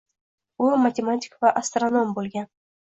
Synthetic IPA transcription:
umatʲematʲi̥kvaʔast̪ronombolɡʲan

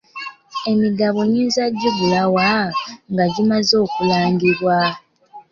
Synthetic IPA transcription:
e̞miɡaβuɲiːnzaɟːuβulawaŋɡaɟimazo̞ːkulaːŋɡiβwa

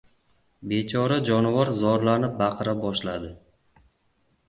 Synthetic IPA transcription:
be̞t͡ʃʰɒɾad͡ʒɒnɪvɒɾzɒɾlanɪp̚baqʰɨɾabɒʃlad̪ɪ

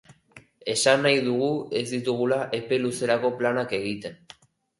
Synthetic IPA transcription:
e̞sanːajðuɣ̞ue̞zðit̪uɣ̞ulaʔepeluse̞ɾako̞planake̞ɣ̞it̪e̞n

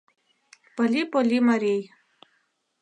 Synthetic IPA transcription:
pəlʲipolʲimaɾej

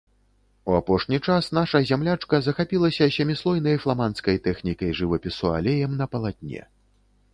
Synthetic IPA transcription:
uapɔʂnʲit͡ʂasn̪aʂɐzʲamlʲat͡ʂkɐzɐxapʲilˠɐsʲɐsʲɐmʲislˠɔjn̪ɐjflˠamanskɐjt̪ɛxnʲikɐjʐɨvɐpʲisua̰lʲejɐmnɐpɐlˠat̪ʲnʲɛ̰

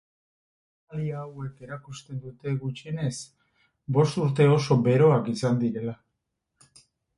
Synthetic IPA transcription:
aliaːwe̞ke̞ɾakust̪e̞nd̪ut̪e̞ɣut͡ʃine̞s | bo̞st̪uɾt̪e̞o̞so̞be̞ɾo̞akisand̪iɾe̞la

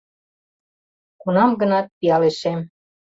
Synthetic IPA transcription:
kunɑmɡə̆nɑt̪̚piɑleʃem

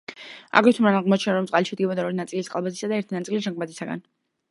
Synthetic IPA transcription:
a̰ɡɾɛt̪ʰumɾanaʁmɔt͡ʃʰɛnaɾɔmt̪sʼaliʃɛd̪̚ɡibɔd̪aɔɾinat̪sʼilisqʼalˠbazisad̪aɛɾt̪ʰinat̪sʼilisʒaŋɡ̚mad̪isaɡa̰n

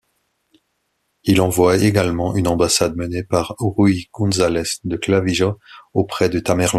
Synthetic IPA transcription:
ilɑ̃vwaeɡalmɑ̃ʔynɑ̃basad̪mənepaʁʁuikɔ̃zalɛsd̪əklaviʒaopχɛd̪ət̪amɛʁlɑ̃

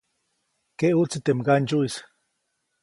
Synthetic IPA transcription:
keʔuʔt͡sit̪emɡand͡ʒuʔis

